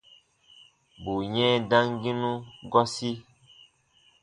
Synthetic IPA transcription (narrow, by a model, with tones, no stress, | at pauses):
bu˨ɲɛ̃˦dã˦ŋɡi˦nũ˦ɡɔ˦si˦